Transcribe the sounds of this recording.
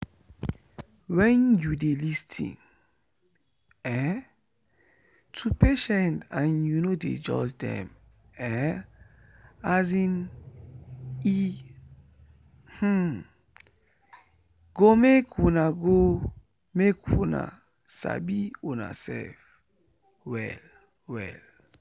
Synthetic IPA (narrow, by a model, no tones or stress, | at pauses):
wɛ̃njudelistʰḭ̃n | ɛ | tʰupeʃɛ̃ntãnjunodḛd͡ʒɔ̰d͡ʒdɛ̰̃m | ɛ | azĩn | i | h̩ | ɡ̥omekwunaɡo | mekwuna̰ | sa̰biũna̰sɛ̰lf | wɛ̰l | wɛ̰l